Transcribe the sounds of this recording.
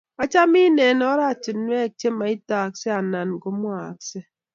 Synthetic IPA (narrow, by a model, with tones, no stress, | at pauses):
a˨t͡ʃa˦mi˦ne˨nɔ˦ɾa˦˨t͡ʃi˨tnwe˦˨k̚t͡ʃe˦ma˨i˦ta˨kse˦a˨na˨nɡo˨mwa˨kse˦